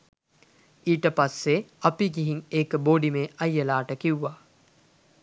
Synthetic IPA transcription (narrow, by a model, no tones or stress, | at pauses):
iːʈəpasːeɐpiɡiɦiŋeːkəboːɖimeːʔɐjːəlaːʈəkiwːaː